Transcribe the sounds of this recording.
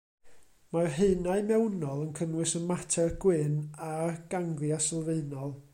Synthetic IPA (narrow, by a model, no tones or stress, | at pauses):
marɦeɨnaɨmɛwnɔlˠənkʰənwɨsənmatʰɛrɡ̥wɪnaɡ̥aŋɡljasɛlˠveɨnɔlˠ